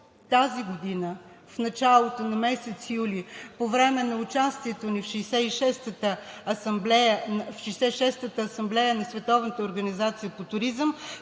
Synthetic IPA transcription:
t̪aziɡod̪inə | fnɐt͡ʃalˠot̪onɐmɛsɛt̪sijulipovɾɛmɛnɐʊt͡ʃast̪iɛt̪onifʃɛːsɛiʃɛst̪ət̪əɐsɐmblɛjəfʃiːsɛiʃɛst̪ət̪əːsɐmblɛjənɐsvɛt̪ɔvnət̪əoɾɡənizat̪sijəpot̪ʊɾizəm

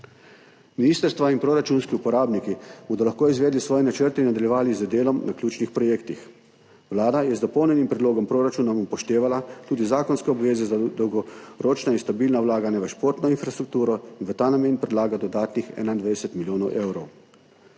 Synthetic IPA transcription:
miniːst̪əɾst̪ʋainpɾoɾat͡ʃunskiupɔɾaːbnikiboːd̪ɔlaxkoːizʋeːd̪lisʋɔːjɛnat͡ʃəɾt̪inad̪aljɛʋaːlizəd̪eːlɔmnʔaklʲjuːt͡ʃnixpɾɔjeːkt̪ix | wlaːd̪ajɛzd̪ɔpɔwnjɛnimpɾɛd̪loːɡɔmpɾoːɾat͡ʃuːnɔmupɔʃt̪eːʋalat̪uːd̪izaːkɔnskɛɔbʋeːzɛzad̪ɔwɡɔɾoːt͡ʃnainst̪abiːlnawlaːɡanaʋəʃpoːɾt̪nɔinfɾast̪ɾuk̚t̪uːɾɔinʋət̪aːnameːnpɾɛd̪laːɡad̪ɔd̪aːt̪nixɛ̰ːnaind̪ʋajd̪ɛsɛt̪miljoːnɔwʔeːwɾɔw

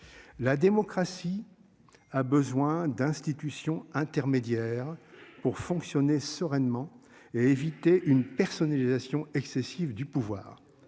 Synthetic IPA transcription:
lad̪emɔkχasi | abəzwɛ̃d̪ɛ̃st̪it̪ysjɔ̃ɛ̃t̪ɛʁmed̪jɛːʁpuʁfɔ̃ksjɔnesəʁɛnmɑ̃ | eevit̪eʔynpɛʁsɔnalizasjɔ̃ɛksesivd̪ypuvwa̰ːʁ

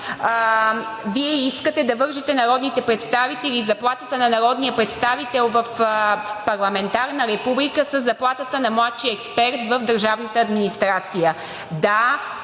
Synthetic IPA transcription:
viɛiskət̪ɛd̪ɐvɤɾʒɛt̪ɛnɐɾɔd̪nit̪ɛpɾɛt̪st̪avit̪ɛlizɐplˠat̪ət̪ənɐnɐɾɔd̪nijəpɾɛt̪st̪avit̪ɛlˠvɐfpɐɾlˠɐmɛnt̪aɾnəɾɛpublikəsəzːɐplˠat̪ət̪ənɐmlˠat̪ʃijəɛkspɛɾt̪vəvd̪əɾʒavnət̪əːd̪minist̪ɾat̪sijə | d̪a

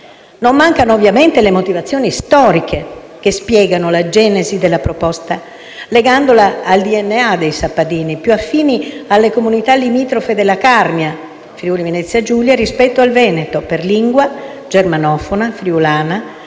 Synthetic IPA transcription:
nomːaŋkanoːvːjament̪elemot̪ivat̪sːjoːnist̪ɔːɾikʰe | kespjɛːɡanolad͡ʒɛːnezid̪elːapɾopɔst̪a | leɡand̪olaːld̪iɛnːead̪ejsapːad̪iːnipjuafːiːnialːekomunit̪alːimiːt̪ɾofed̪elːakarmja | fɾiulivenɛt̪sːjad͡ʒuljaɾispɛt̪ːoalvɛːnet̪operliŋɡwa | d͡ʒermanɔːfonafɾiulaːna

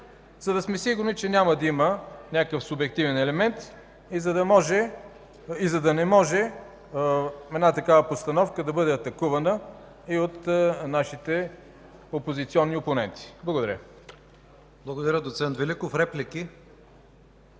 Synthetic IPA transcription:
zɐd̪ɐsmɛsiɡʊɾnit͡ʃɛnʲaməd̪ɐimənʲakəfsʊbɛk̚t̪ivɛnɛlɛmɛnt̪ | zɐd̪ɐmɔʒɛ | izɐd̪ɐnɛmɔʒɛ | ɛd̪nat̪ɐkavəpost̪ɐnɔfkəd̪ɐbɤd̪ɛɐt̪ɐkuvɐnə | iot̪naʃit̪ɛ | opozit̪siɔnːioponɛnt̪i̥blˠɐɡod̪ɐɾʲə | blˠɐɡod̪ɐɾʲəd̪ot̪sɛnt̪vɛlikofɾɛpliki

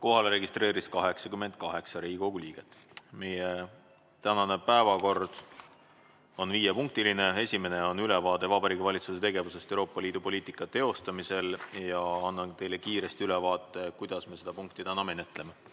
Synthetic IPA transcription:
ko̞ɦɑleɾe̞ɡist̪re̞ːɾiskɑɦe̞ksɑkymːe̞nd̪̥̚kɑɦe̞ksɑɾiːɡiko̞ɡuliːɡ̥e̞t̪ːˑ | me̞je | t̪ænɑne̞pæevɑko̞rd̪̥ | o̞nviːjepuŋk̚t̪iline̞e̞sʲime̞ne̞o̞nylɛvɑːd̪e̞vɑbɑɾiːɡivɑlʲit̪suse̞t̪e̞ɡe̞vuse̞st̪ewɾoːpːˑɑliːd̪̥upo̞lʲiːt̪ˑikːˑɑt̪e̞o̞st̪ɑmise̞ljɑɑnːɑnt̪e̞jle̞kiːɾe̞st̪iylɛvɑːt̪ˑːe̞kujd̪̥ɑsmese̞d̪ɑpuŋk̚t̪it̪ænɑme̞net̪ːˑle̞me̞

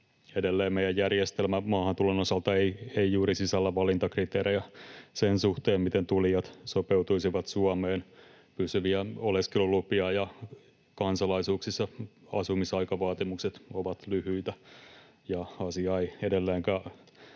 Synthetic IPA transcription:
edelːeːmmeijæjjærjest̪elmæmɑːhɑnt̪ulonosɑlt̪ɑeieijuːɾisisælːæʋɑlint̪ɑkrit̪eːɾejæsensuht̪eːmmit̪ent̪uliɑt̪sopeut̪uisiʋɑt̪suɑmeːn | pysyʋiæoleskelulupiɑjɑ | kɑnsɑlɑisuːksisːɑ | ɑ̰sumisɑikɑʋɑːt̪imukset̪oʋɑt̪lyhyit̪æ | jɑɑsiɑeiedelːeːŋkæ

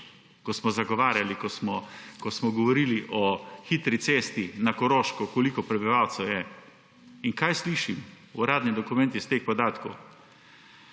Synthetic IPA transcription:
kɔsmɔzaɡɔʋaːɾjalikɔsmɔkɔsmɔɡɔʋɔɾiːliʔɔxit̪ɾit̪seːst̪inakɔɾoʃkɔkɔlikɔpɾɛbiʋawt̪sɛwjɛ | iŋkajsliːʃim | uɾaːd̪nid̪ɔkumɛnt̪ist̪eːxpɔd̪aːt̪kow

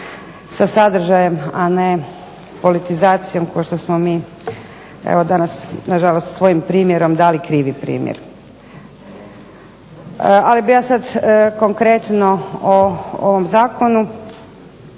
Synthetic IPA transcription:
sasad̪r̩ʒaje̞mane | po̞lit̪izaːt̪sijo̞mkoʃt̪osmomiː | ḛʋod̪anasnaʒalost̪sʋo̞jimpɾiːmjeɾo̞md̪aːlikɾiːʋipɾḭːmjḛɾ | alibijaːsad̪ko̞ŋkɾet̪no̞oo̰ʋo̞mzaːko̞nu

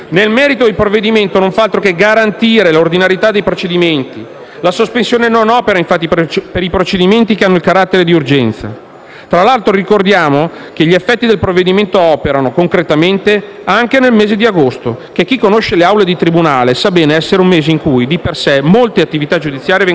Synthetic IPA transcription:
nelmɛːɾit̪oilpɾovːed̪iment̪onoɱfaalt̪ɾokeɡaɾant̪iːɾelord̪inaɾjet̪ad̪ːejpɾot͡ʃed̪iment̪i | lasospensjoːnenonɔːpeɾaiɱfat̪ːippeɾipɾot͡ʃed̪iment̪ikeanːoilkaɾat̪ːeɾed̪iurd͡ʒɛnt̪sa̰ | t̪ɾalalt̪ɾorikord̪jaːmo | k̟eʎiefːɛt̪ːid̪elpɾovːed̪iment̪oɔːpeɾanokoŋkɾet̪ament̪e | aŋk̟enelmeːzed̪iaɡost̪okek̟ːikːonoʃeleawled̪it̪ɾibunaːlesabɛːneɛsːeɾeummeːzeiŋkujd̪ipersɛmolt̪eat̪ːivit̪ad͡ʒud̪it̪sːjaːɾjevɛ

